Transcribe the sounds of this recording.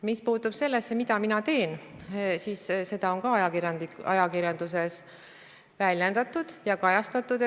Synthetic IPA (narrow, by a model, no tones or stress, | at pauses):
mispuːt̪ːub̥se̞lːesːemid̪̥ɑminɑt̪e̞ːnsiːsse̞d̪̥ɑo̞nkɑɑjɑkiɾjɑnd̪iɑ̰jɑkirjɑnd̪̥us̬e̞s | vælʲjend̪̥ɑt̪ːud̪̥jɑkɑjɑst̪ɑt̪ːˑud̪